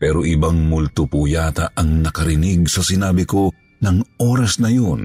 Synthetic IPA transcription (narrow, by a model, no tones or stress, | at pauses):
pɛːɾoʔɪbɐŋmʊlt̪ʊpujaːt̪ɐʔɐŋnɐkɐɾɪnɪɡsɐsɪnaːbɪko̞ | nɐŋʔoːɾɐsnɐjon